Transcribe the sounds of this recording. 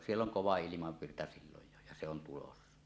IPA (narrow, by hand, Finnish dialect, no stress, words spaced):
sielː oŋ koʋɑ ilimɑʋːirtɑ siːloj jo jɑ se on tulosːɑ